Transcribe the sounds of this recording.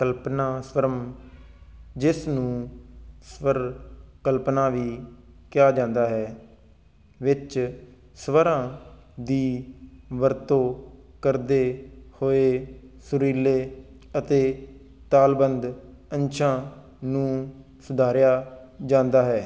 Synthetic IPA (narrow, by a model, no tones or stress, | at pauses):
kəlpnaːsʋəɾəm | d͡ʒɪsnũːsʋəɾkəlpnãːʋiː | kɪjaːd͡ʒãːnd̪aːɦɛː | ʋɪt͡ʃ | sʋəɾãː | d̪iːʋəɾt̪õː | kəɾd̪eːhoːeː | sʊɾiːleː | ət̪eː | t̪aːlbənd̪ | ənʃʰãː | nũː | sʊd̪ʱaːɾjaːd͡ʒãːnd̪aːɦɛː